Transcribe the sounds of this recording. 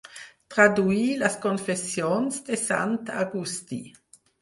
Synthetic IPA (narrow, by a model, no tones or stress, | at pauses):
t̪ɾad̪uilaskonfesjonsd̪esa̰nt̪a̰ɡust̪ḭ